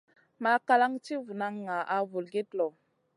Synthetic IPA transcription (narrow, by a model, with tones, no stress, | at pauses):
ma˦ka˦la˦ŋti˦vu˨na˦ŋːa˨ʔa˨vu˨lɡe˦tlɔ˨